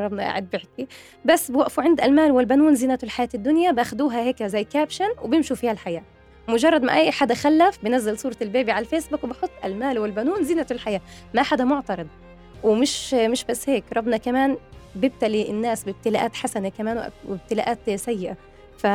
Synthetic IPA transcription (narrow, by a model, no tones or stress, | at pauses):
ɾˤɑbnɑʔa̰ʕa̰d̪̚bɪħki | basːbwaʔfuʕɪnd̪ʔalmaːlwɪlbanuːnzɪːnat̪ʊlħajaːt̪d̪ːʊnjabaxd̪uːɦaheːkzajːkaːbʃanwɪbɪmʃufihalħajaː | mʊd͡ʒɑrˤːɑd̪ma̰ʔajːħaːd̪axalːafbɪnazːalsˤuːɾˤɑlbeːbiʕalalfeːsbukwɪbɪħʊt̪ˤːʔa̰lmaːlwɪlbænuːnzɪːnat̪ʊlħajaːmaʔħad̪amʊʕt̪ɑɾˤɨd̪̚ˤ | wɪmɪʃmɪʃbasːheːkɾˤɑbnɑkamaːnbɪb̚t̪aliɪnːaːsbɪb̚t̪ɪlaʔaːt̪ħasanakamaːnwɪ̰ʔwɪb̚t̪ɪlaːʔaːt̪sajːɪʔa | fa